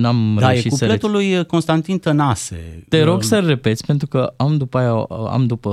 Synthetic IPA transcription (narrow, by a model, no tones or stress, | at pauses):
namd̪ajeʃikusəlet̪ulujko̞nst̪ant̪int̪ənasḛt̪e̞ɾo̞ɡsəlre̞pe̞t̪sʲpe̞nt̪ɾukəamd̪upajaa̰md̪upə